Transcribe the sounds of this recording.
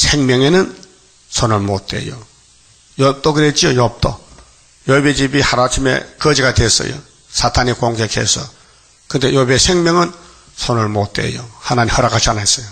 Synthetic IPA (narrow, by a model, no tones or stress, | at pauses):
sʰeŋmʲjʌŋenɯn | sʰonɯɭmot̚t͈we̞̰jo | jʌp̚t̪͈oɡɯɾet̚t͡ɕ͈iojʌp̚t͈o | jobet͡ɕibihaɾat͡ɕʰimḛkʌd͡ʑiɡatwes͈ʌ̰jo̰ | sʰatʰanikoŋɡekhḛsʰʌ̰ | kɯnd̪e̞jobesʰeŋmʲjʌŋɯn | sʰonɯɭmot̚t͈wḛjohanaɲimhʌɾakat͡ɕʰanes͈ʌjo